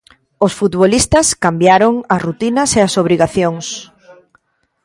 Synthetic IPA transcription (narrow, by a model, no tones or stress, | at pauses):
osfut̪βolist̪ɐskambjaɾoŋɐsrut̪inɐseasoβɾiɣaθjoŋs